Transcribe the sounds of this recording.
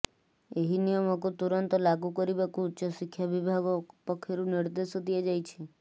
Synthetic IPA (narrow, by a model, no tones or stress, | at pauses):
eɦinijɔmɔkut̪uɾɔnt̪ɔlaɡukɔɾibakuːtːt͡ʃʰɔsikʰːjabibʱaɡɔpɔkʰːɔɾuniɾd̪esɔd̪iad͡ʒajt͡ʃʰi